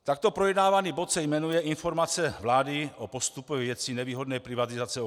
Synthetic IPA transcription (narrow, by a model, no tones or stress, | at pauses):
t̪ak̚t̪o̞pɾojɛdnaːvaniːbo̞t̪sɛjmɛnujɛʔinfo̞ɾmat͡sɛvlaːdɪʔopo̞st̪upɛvjɛt͡sinɛviːɦo̞dnɛːpɾɪvat̪izat͡sɛo